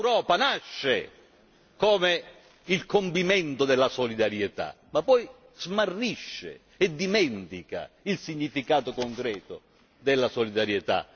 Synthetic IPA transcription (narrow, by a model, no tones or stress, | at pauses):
lwɾɔːpanaʃːe | kɔːme | ilkompimɛnt̪ʊd̪ɛlːasolid̪aɾjet̪a̰ | mapːɔj | z̥marːiʃːḛ | ɛd̪ːimɛnt̪ika̰ | ilsiɲːifikaːt̪okoŋkɾɛːt̪o | d̪ɛlːasolid̪aɾjet̪a̰